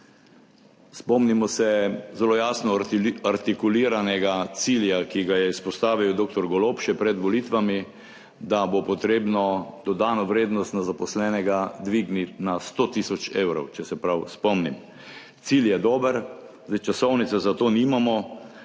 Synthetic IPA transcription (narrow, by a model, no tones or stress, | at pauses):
spɔmnimɔsɛzɛloːjaːsnɔaɾt̪ikuliːɾanɛɡat̪siljakiɡajɛispɔst̪aːʋiwd̪oːk̚t̪ɔɾɡɔloːpʃɛpɾɛd̪ʋɔliːt̪ʋami | d̪abopɔt̪ɾeːbnɔd̪ɔd̪aːnɔʋɾeːd̪nɔst̪nazapɔslɛːnɛɡad̪ʋiɡnit̪nast̪oːt̪isɔt͡ʃewɾɔwt͡ʃɛsɛpɾawspɔmnim | t̪siljɛd̪oːbəɾ | zd̪ɛjt͡ʃasɔwnit̪sɛzat̪oːnimamɔ